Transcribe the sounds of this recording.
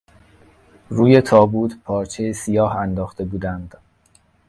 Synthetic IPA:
ɾuːje̞t̪ʰɒːbuːt̪ʰpʰɒːɾt͡ʃʰe̞jesijɒːhænd̪ɒːxt̪e̞buːd̪ænd̪̥

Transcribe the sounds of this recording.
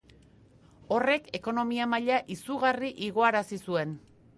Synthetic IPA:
o̞re̞ke̞ko̞no̞miamaʎaʔisuɣariʔiɣ̞o̞aɾasisue̞n

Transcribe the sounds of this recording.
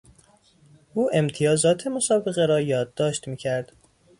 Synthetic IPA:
ʔuːʔe̞mt̪ʰijɒːzɒːt̪ʰe̞mo̞sɒːbeɣeɾɒːjɒːd̪ːɒːʃt̪miːcʰæɾd̪̥

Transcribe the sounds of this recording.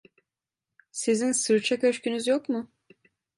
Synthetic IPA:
sizinsɯɾt͡ʃʰakøʃcynyzjo̞kmʊ

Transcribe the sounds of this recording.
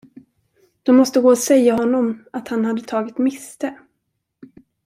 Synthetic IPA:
d̪̥ɔmmɔst̪əɡoːɔsɛjːaɦɔnːɔmat̪hanhad̪ːət̪ʰɑːɡɪt̪mɪst̪ə

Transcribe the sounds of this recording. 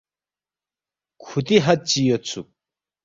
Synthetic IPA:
kʰut̪iɦat͡ɕijot͡sʰuk̚

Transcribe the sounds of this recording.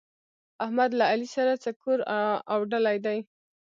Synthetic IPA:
ahmad̪laːlisaɾat͡sakuɾawɖalajd̪aj

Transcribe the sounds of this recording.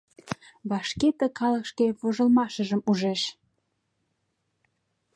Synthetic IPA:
βɑʃket̪əkɑləkʃkeβoʒə̆lmɑʃə̆ʒəmuʒeʃ

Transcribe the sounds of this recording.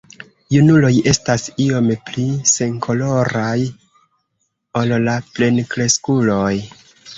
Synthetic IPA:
junulo̞je̞stasio̞mplise̞ŋkʰo̞lo̞ɾaj | o̞llaple̞nkɾe̞skulo̞j

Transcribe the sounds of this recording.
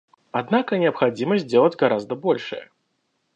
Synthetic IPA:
ad̪nakɐnʲɪɐpxad͡zʲimɐsʲt̚ʲd͡zʲɛlˠɐd͡zʲɡaɾazd̪ɐbɔlʲʂɐ̰jɐ̰

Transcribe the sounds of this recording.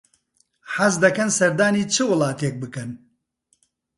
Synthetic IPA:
ħazd̪ɐkɐnsɐɾd̪aːniːt͡ʃʰɨwɨlˠɑːt̪eːk̚bɨkɐn

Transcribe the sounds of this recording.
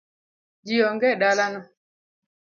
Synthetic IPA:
d͡ʒijɔŋɡɛɗalanɔ

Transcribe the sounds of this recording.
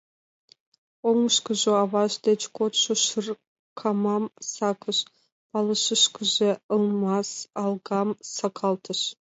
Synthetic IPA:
oŋəʃkə̆ʒoɑvɑʃd̪et͡ɕkʰot̪ʃŏʃər | kʰɑmɑmsɑkʰə̆ʃ | pɑlˠə̆ʃəʃkə̆ʒeə̆lˠmɑsɑlˠɡɑmsɑkʰɑlˠt̪ʰə̆ʃ

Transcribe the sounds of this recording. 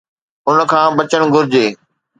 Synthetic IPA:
ʊnə̆kʰãːbɐt͡ɕəɽ̃ɡʱʊɾɪd͡ʑeː

